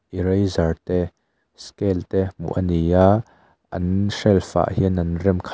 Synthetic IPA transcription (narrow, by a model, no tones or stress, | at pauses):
ʔiɾejzɐrt̪ɛ | skɛlt̪ɛmṵʔɐniaʔ | ʔɐ̰nʂɛlfa̰ʔhinɐnrɛmkʰ